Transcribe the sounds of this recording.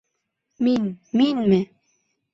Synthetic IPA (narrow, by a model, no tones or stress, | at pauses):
minminme